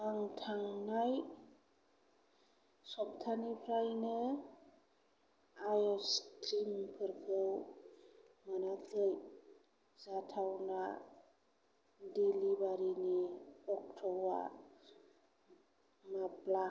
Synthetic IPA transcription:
aŋtʰaŋnaj | sɔp̚tʰanipʰɾajnɯ | ajɔskɾimpʰɯɾkʰɯw | manakʰɯj | zatʰawna | delibaɾiniɔk̚tʰɔwa̰ | mapla

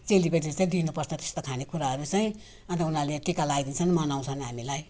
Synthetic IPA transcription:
t͡selipʌdit͡saĩd̪inupʌsnʌt̪e̥st̪okʰanekʰuɾaɦʌɾut͡saĩ | ʌnt̪ʌunaleʈikalaid̪int͡sʰʌnmanaw̃t͡sʰʌnɦamilaj

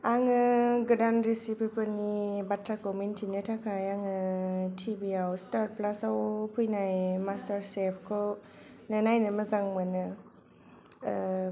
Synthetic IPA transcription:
aŋɯɡɯdanɾesipipʰɯnibatʰɾakɔmintʰinɯtʰakʰajaŋɯtʰibiawstaɾ̚plasawpʰujnajmastaɾsepʰkʰɔ | nɯnajnɯmɯzaŋmɯnɯ

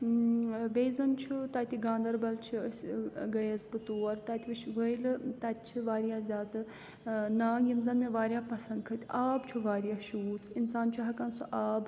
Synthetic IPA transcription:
beːzɐnt͡ʃʰut̪aːt̪ʲiɡãːnd̪ɐɾbɐlt͡ʃʰisʲɡɐjɐzbɨt̪oːɐɾt̪at̪ʰʲiʋɨt͡ʃʰʋəjlt̪ɐt̪̚ʲt͡ʃʰiʋaːɾjaːzʲaːt̪ɨ | naːɡimzɐnmẽʋaːɾʲjaːpɐsɐnɡ̪̚kʰɐt̪ʲaːbt͡ʃʰuʋaːɾjaːʃuːt͡sinsaːnt͡ʃʰuɦɐkansuʔaːb

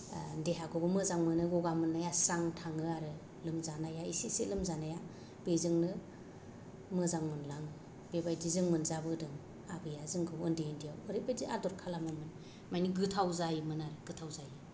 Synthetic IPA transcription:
ndeɦaɡʰɔɡɯmɯzaŋmɯnɯɡɔɡamɯnːajasaŋtʰaŋɯaɾɯ | lɯmzanajaisisilɯmzanaja | b̥ezɯŋnɯ | mɯzaŋmɯnlaŋ | b̥ebajdizɯŋmɯnzabɯdɯŋ | abɯjazɯŋɡɯwɯndendijawɯɾebadiadɔɾkʰalamɯmɯn | majniɡɯtʰawzajɯmɯnaɾɯɡ̥ɯtʰawzajɯ

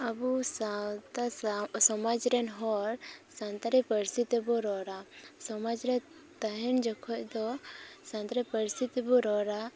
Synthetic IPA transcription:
abusat̪asɔmad͡ʒɾɛnɦɔɾsãnt̪aɾɛpəɾsit̪ɛbɔɾɔɾasɔmad͡ʒɾɛ | t̪aɦɛnd͡ʒɔkʰɔc̚d̪ɔsãnt̪ɾɛpəɾsit̪ɛbɔɾɔɾa

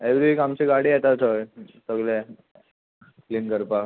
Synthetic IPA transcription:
eʋɾiikamt͡ɕiɡaɽiːjɛt̪at̪ɦojsəɡle | kliːnkəɾpa

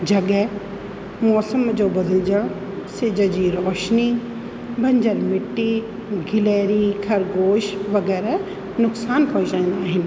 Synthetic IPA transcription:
d͡ʑɐɠɛ | mɔːsəmd͡ʑoːbɐd̪ʱəld͡ʑə | sɪd͡ʑəd͡ʑiːɾɔːʃni | bʱɐ̃ɲd͡ʑəɾmɪʈːi | ɡʱɪleːɾikʰɐɾɡoːʃʋɐɡɛːɾ | nʊksaːnpɐit͡ʃaĩːnd̪aːɦɪnɪ̆

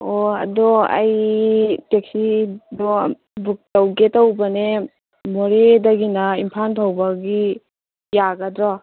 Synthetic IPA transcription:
oɐ̰dɔa̰j | tek̚sidɔ | buk̚tawɡetawbane | mɔɾedaɡinaimpʰanpʰawbaɡi | jaɡadɾɔ

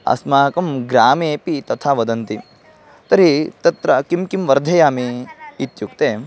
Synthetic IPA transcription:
ɐ̰smaːkɐmɡɾaːmeːpit̪ɐt̪ʰaːʋɐd̪ɐnt̪i | t̪ɐɾit̪ɐt̪ɾɐkimkimʋɐɾd̪ʱɐjaːmiːt̪jukt̪eː

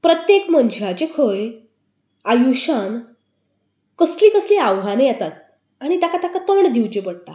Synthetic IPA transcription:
pɾət̪jekm̤ənd͡ʑat͡ɕekʰəj | ajuɕan | kəsliːkəsliaʋɦanejat̪at̪̚ | aɽ̃it̪akat̪akat̪əɳd̪iwt͡ɕepəɽʈ̪a

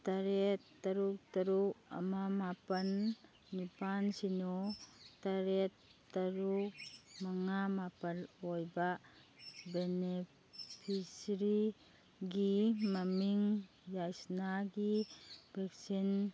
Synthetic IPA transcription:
taɾetːɐɾuk̚tɐɾuɐ̰mamapɐnː | ipansinɔtaɾetːɐɾukmaŋamapɐlojba | bene | pʰisɾi | ɡimɐmiŋ | jajsnaɡib̥ʱɛk̚sin

